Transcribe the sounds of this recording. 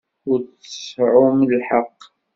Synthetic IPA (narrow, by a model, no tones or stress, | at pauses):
ʊɾt͡səsʕʊmlħɑqː